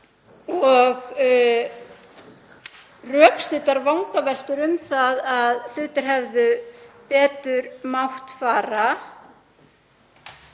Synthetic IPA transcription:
ɔɣ | rœːkst̪ɪt̪aɾvawŋkavɛl̥t̪ʏɾʏmθaðaðlʏːt̪ʏɾ̥ɦɛvðʏpɛːt̪ʏɾmawht̪faːɾa

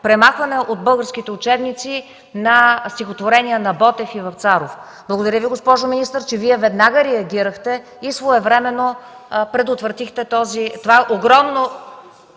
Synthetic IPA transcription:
pɾɛmaxvɐnɛʔod̪̚bɤlˠɡəɾsk̟it̪ɛʊt͡ʃɛbnit̪si | nɐst̪ixot̪voɾɛniənɐbɔt̪ɛfivɐft̪saɾof | blˠɐɡod̪ɐɾʲjəviɡospɔʒominist̪əɾt͡ʃɛviɛvɛd̪naɡəɾɛɐɡʲiɾəxt̪ɛ | isvoɛvɾɛmɛno | pɾɛd̪ot̪vɾɐt̪ixt̪ɛt̪ɔzit̪ovaɛʔoɡɾɔmno

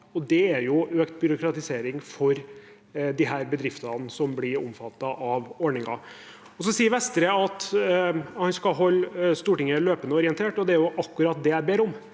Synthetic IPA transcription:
ɔd̪ɛæɾjʊøːkt̪bʏɾʊkɾɑt̪ɪseːɾɪŋfɔɾ | d̪ɪɦæːɾbəd̪ɾɪft̪ɑnsɔmblɪɾʊ̰mfɑt̪ːɑʔɑʋɔɳɪŋɑ̰ | ɔsɔsiːəɾʋɛst̪ɾəɑt̪ | hɑnskɑɦɔlːst̪uːʈɪŋːəløːpənəɔɾɪɛnt̪ʰeːʈɔd̪ɛæɾjʊʔɑkːʉɾɑt̪̚d̪ɛæbeːɾʊm

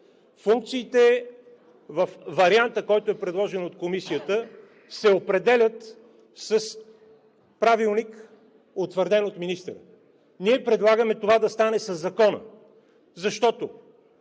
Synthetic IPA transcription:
fuŋk̚t̪siːt̪ɛ | vəfvɐɾiant̪əkɔjt̪oʊɛpɾɛd̪lˠɔʒɛnot̪komisijət̪ə | sɛopɾɛd̪ɛlʲət̪ | səs | pɾavilˠnik | ot̪vəɾd̪ɛnot̪minist̪əɾə̰ | niɛpɾɛd̪lˠaɡəmɛt̪ovad̪ɐst̪anɛsɐzːɐkɔnə̰ | zɐʃt̪ɔt̪o

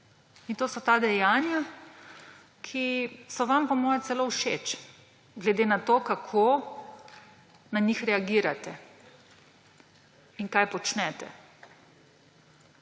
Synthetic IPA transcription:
int̪oːsɔt̪aːd̪ɛjaːnja | kʰisɔʋampɔmɔːjɛt̪sɛloːuʃḛt͡ʃ | ɡlɛd̪enat̪okakʰo | naɲixɾɛaɡiːɾat̪ɛ | iŋkaːjpɔt͡ʃnɛt̪ɛ̰

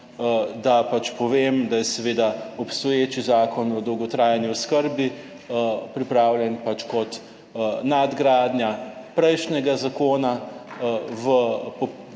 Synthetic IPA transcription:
d̪apat͡ʃpɔʋeːmd̪ajɛsɛʋeːd̪aɔpst̪ɔjeːt͡ʃizaːkɔnɔd̪ɔwɡɔt̪ɾaːjanjuɔskəɾbi | pɾipɾaːwlʲjɛnpat͡ʃkɔt̪ | nad̪ɡɾaːd̪njapɾɛjʃnɛɡazakoːna | ʋəpɔ

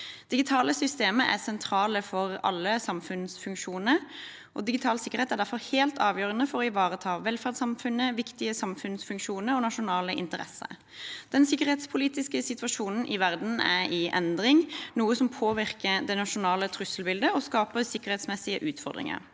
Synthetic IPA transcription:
d̪̥ɪɡɪt̪ʰɑːləsʏst̪eːməʔæ̰sɛnt̪ʰɾɑːləfɔʁɑ̰lːəsɑmfʉnsfʉŋkʃuːnə | ʔɔ̰d̪ɪɡɪt̪ʰɑːlsɪkəʁeːt̪æʁɖ̪æɾfɔʁheːlt̪ɑːʋjøːʁənəfɔɾɔɪʋɑːʁət̪ʰɑːʋɛlfæʁd̪sɑmfʉnːəʋɪkt̪ɪəsɑmfʉnsfʉŋkʃuːnəɾɔnɑʂʊnɑːləʔɪ̰nt̪əʁɛ̰sːə̰ | d̪̥ɛnsɪkːəɾheːt̪spʰʊliːt̪ɪskəsɪt̪ʋɑʂuːnn̩ʔɪʋæʁd̪n̩æ̰ɪʔɛ̰nd̪ʁɪŋnuːəsɔmpʰoːʋɪʁkəd̪ɛnɑʂʊnɑːlət̪ʰɾʉslbɪld̪əɔskɑːpəsɪkːəʁhɛt̪smɛsɪəʔʉːt̪fɔʁd̪ʁɪ̰ŋə̰ɾ

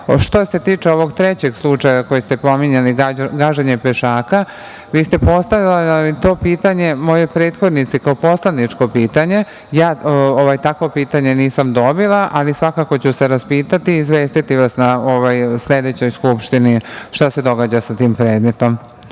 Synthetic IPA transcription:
ʃt̪ose̞t̪iːt͡ʂeo̞ʋo̞ɡt̪ɾet͡ɕe̞ɡslˠut͡ʂajako̞jest̪e̞po̞miɲaliɡaɡaːʒeɲepeʃaːka | ʋiːst̪e̞po̞st̪ajalit̪o̞ːpiːt̪aɲe̞mo̞jepɾe̞ːd̪xo̞d̪nit̪sikaopo̞slad̪nit͡ʂko̞piːt̪aɲe̞ | jaːoʋajt̪akʋo̞piːt̪aɲe̞niːsamd̪o̞bilˠaʔalisʋakako̞t͡ɕuse̞ɾaspiːt̪at̪iːzʋe̞ːst̪it̪iʋasnaoʋajsle̞d̪e̞t͡ɕo̞jskupʃt̪iniʃt̪ase̞d̪o̞ɡaːd͡ʑasat̪iːmpɾeːd̪me̞t̪o̞m

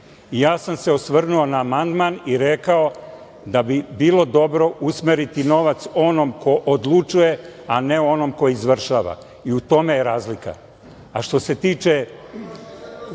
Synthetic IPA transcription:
ijaːsamse̞o̞sʋr̩nuo̞naːmand̪maniɾekao̞ | d̪abibiːlo̞d̪o̞bɾo̞ʔusmeɾit̪ino̞ʋat̪so̞nomkʰo̞ʔod̪lˠut͡ʃuje̞aneo̞nomko̞izʋr̩ʃaːʋa̰ | iut̪o̞me̞jeɾaːzlika̰ | aʃt̪o̞se̞t̪iːt͡ʃe

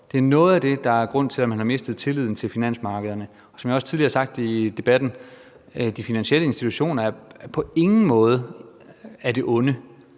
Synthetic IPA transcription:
d̥e̝æɐnɔ̽ːð̞̩ˠæd̥e̝d̥ɑ̈æɐɡ̥ʁɔ̽n̰t͡sʰe̝lɒmhænhɑ̈me̝sd̥ð̞̩ˠt͡sʰe̝liðˠn̩t͡sʰe̝lfinæn̰smɑ̈ːɡ̥əð̞ˠɐnə | ɒ̽sɒ̽mjɒ̽st͡sʰiðˠliɐhɐsɑ̈ɡ̥̚d̥id̥e̝b̥æd̥n̩ | d̥ifinænɕiel̰əensd̥it͡sʰuɕo̝̰ːnɐæɐpʰɒ̽e̝ŋn̩mɔ̽ːð̞ˠə | æɐd̥e̝ʔɔ̽nə

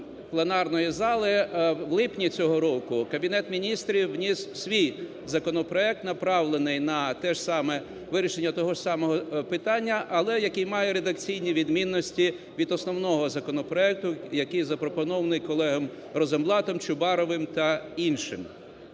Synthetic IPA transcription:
plˠenɑrnɔjizɑlˠɪwlˠɪpnʲit͡sʲɔɦɔɾɔkʊkɐbʲinɛt̪mʲinʲist̪ɾʲiwːnʲissʲʋʲij | zɐkɔnɔpɾɔɛk̚t̪nɐpɾɑwlˠenɪjnɐt̪ɛʃsɑmɛ | ʋɪɾʲiʃenʲːɐt̪ɔɦɔʃsɑmɔɦɔpɪt̪ɑnʲːɐʔɐlˠɛjɐkɪjmɑjɛɾed̪ɐkt͡sʲijnʲiʋʲid̪mʲinːɔsʲtʲi | ʋʲid̪ɔsnɔwnɔɦɔzɐkɔnɔpɾɔɛk̚t̪ʊjɐkɪjzɐpɾɔpɔnɔʋɐnɪjkɔlˠɛɦɐm | rɔzemblˠɑt̪ɔmt͡ʃʊbɑɾɔʋɪmt̪ɐinʃɪ̰m

